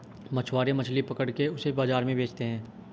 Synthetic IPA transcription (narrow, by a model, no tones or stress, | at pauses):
mɐt͡ʃʰwaːɾemɐt͡ʃʰlipɐkəɽkeʊsebaːzaːɾmẽbʱeːt͡ʃt̪eɦɛ̃ː